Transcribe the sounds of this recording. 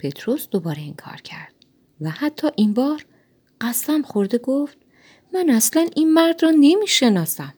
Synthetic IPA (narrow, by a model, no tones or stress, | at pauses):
pʰe̞t̪ʰɾosd̪obɒːɾe̞iŋkʰɒ̰ːɾcʰæɾd̪̥̚ | væhæt̪ʰːɒːʔinbɒːɾ | ɢæst̪æmχoɾd̪e̞ɡoft̪̚ | mænæslæninmæɾd̪rɒːne̞miːʃe̞nɒːsæm